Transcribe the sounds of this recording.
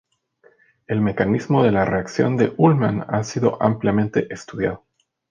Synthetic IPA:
e̞lme̞kanizmo̞ðe̞lareaksjo̞̰nd̪e̞̰ʔulmanasiðo̞̰ʔampljamẽ̞nt̪e̞ʔest̪uðjað̞o

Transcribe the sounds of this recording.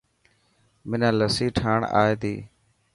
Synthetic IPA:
mɪnãːləsiːʈʰaːɳa̰ːeːt̪iː

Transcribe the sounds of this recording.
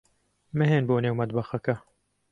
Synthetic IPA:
mɨɦeːnboːneːwmɐd̪bɐxɐkɐ

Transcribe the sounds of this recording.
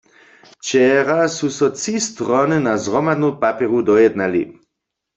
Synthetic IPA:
t͡ʃɛʁasusɔt͡sist̪ʁɔnɨnazʁɔmad̪nopapɛʁudɔjɛd̪nalḭ

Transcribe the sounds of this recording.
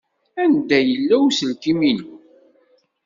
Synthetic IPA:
ænd̪æjəlːæwsəlkiminu

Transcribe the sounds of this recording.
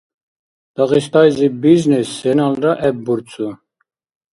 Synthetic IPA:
d̪̥ɑɣist̪ɑjzibiznisːɛnɑlɾaʔɛb̚buɾt͡sʰʼu

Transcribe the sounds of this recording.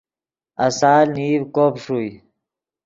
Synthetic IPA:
ɐsaːlniːvkoːpʂui

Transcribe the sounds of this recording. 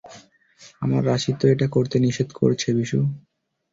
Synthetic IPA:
ama̰ɾːaʃit̪ːoeʈakoɾt̪eniʃed̪ko̰ɾt͡ɕʰebiʃu

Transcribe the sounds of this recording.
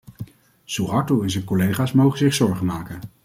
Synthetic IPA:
suɦɑɹtoɛnzənkɔlejχaːsmowχəzɪχsɔɹχəmaːkən

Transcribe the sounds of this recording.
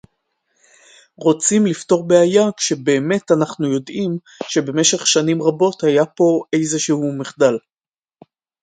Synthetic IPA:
ʁo̞t͡simlifto̞ʁbeajakʃe̞be̞ːme̞tanaχnujo̞dim | ʃe̞be̞me̞ʃe̞χʃanimʁabo̞thajapo̞ʔe̞jzeʃehumiχdal

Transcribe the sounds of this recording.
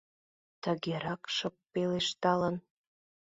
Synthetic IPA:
t̪əɣeɾɑkʃəp̚peleʃt̪ɑlən

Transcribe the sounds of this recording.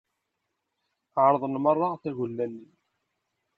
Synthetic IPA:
ʕɾˤəðˤənmərˤːɑθæʝulːælːin

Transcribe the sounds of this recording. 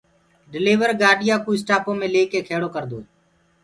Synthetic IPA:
ɖɪleːʋəɾɡaːɖɪjãːkuːɪsʈaːpõːmẽːleːkeːkʰeːɽoːkəɾd̪o̰ːeː

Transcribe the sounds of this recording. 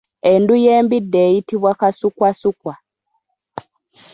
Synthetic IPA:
endujembideitiβwakasukwasukwa

